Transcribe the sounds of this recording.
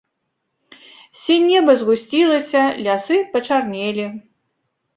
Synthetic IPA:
sʲɛnʲɛbɐzɣusʲt͡sʲilˠɐsʲɐlʲasɨpɐt͡ʂarnʲɛlʲi

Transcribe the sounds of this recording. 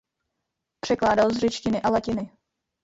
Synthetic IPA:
pr̝̥ɛklaːdalzrɛt͡ʃcɪnɪʔalacɪnɪ

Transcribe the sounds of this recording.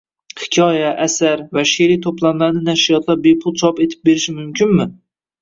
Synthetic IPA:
hɪ̥kʲʰɒːjaʔːsæɾvɛʃiɾit̪ʰoplˠanlænɪnæʃijɒt̪ʰlˠɑɾbepʰʊlˠt͡ʃʰɒpet̪ʰɪ̥p̚beɾɪʃɪmymkʰʲɪnmɪ

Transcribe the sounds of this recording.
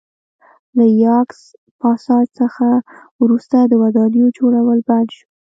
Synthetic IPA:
lajɑks | pɑsɑd̪səxa | wɾust̪ad̪əwad̪ɑnjod͡ʒoɽawəlband̪ʃu

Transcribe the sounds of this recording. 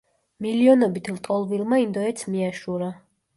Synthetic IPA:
miliɔnɔbit̪ʰlt̪ʼɔlˠvilˠmaind̪ɔɛt̪sʰmiaʃuɾa

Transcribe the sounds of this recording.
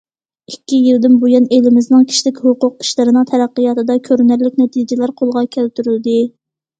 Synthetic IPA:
ikʲːijild̪ɪnbojɑnelɪmɪznɨŋkʲʰi̥ʃlɪkʲhʊqʊq̚i̥ʃlɨɾɨnɨŋt̪ʰɛɾæqːɨjɑt̪ʰɨd̪ɑkʲʰøɾnæɾlɪkʲnɛt̪ʰid͡ʒɪlæɾqʰolˠʁɑkʲʰælt̪yɾyld̪ɪ

